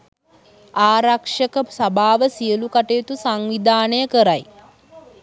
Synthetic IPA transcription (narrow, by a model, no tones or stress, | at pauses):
aːɾakʂəkəsabʱaːʋəsijəlukaʈejːt̪usaŋʋid̪ʱaːnəjəkəɾaj